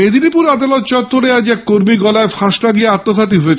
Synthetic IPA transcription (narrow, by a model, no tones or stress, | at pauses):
ed̪ʱinipuɾad̪alot̪̚t͡ɕɔt̪ːoɾead͡ʑɛkkoɾmiɡɔlaefʰaʃʈaɡieat̪ːosat̪̬iɦoet͡ɕʰe